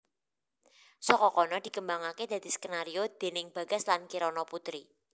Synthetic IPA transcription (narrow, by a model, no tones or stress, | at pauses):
sɔkɔkɔnɔd̪̥i̤kəmbaŋaked̪̥a̤d̪̥i̤skənaɾiod̪̥e̤nɪŋb̥ä̤ɡ̥əslankiɾɔnɔput̪ɾi